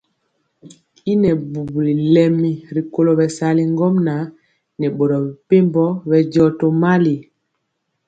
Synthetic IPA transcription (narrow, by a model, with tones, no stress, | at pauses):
i˦nɛ˨bu˨bu˨li˨lɛ˦mi˨ɾi˨ko˦lɔ˨bɛ˨sa˨li˨ŋɡɔ˦mna˨ | nɛ˨ɓɔ˨ɾɔ˨bi˨pe˦mbɔ˦βɛ˨ɟɔ˨tɔ˨ma˦li˨